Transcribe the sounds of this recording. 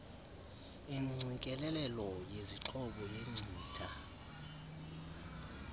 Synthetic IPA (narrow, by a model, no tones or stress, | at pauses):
iŋ͡ǀʱikʼɛlɛlɛlɔjeziǁʰɔɓɔjeŋ͡ǀʱiːtʰa